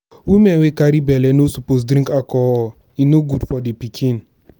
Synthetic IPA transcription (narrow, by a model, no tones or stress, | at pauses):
wimewekaɾibɛlɛnosupos̬dɾĩŋkakɔɔ | inoɡudfɔdepikʰĩn